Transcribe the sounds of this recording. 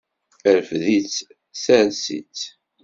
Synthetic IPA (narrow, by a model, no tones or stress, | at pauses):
əɾfðit͡sː | sænsḭt͡sː